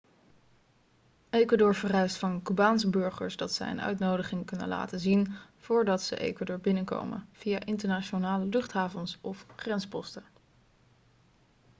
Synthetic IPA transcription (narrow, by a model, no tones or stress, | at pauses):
ejkwaːdʊːɹvərɛɥstfɑnkybaːnsəbɵɹχə̰ɹsdɑtsɛ̰jə̰nʔœ̰ɥtnowdəχɪŋkɵnə̰nla̰ːtəzinv̥ʊːɹdɑtsə̰ʔḛjkvaːdʊːɹbɪnənko̰wmə̰v̥ijaːʔɪntəɹnat͡ʃonaːləlɵχtɦaːvɔnsɔfχrɛnspɔstə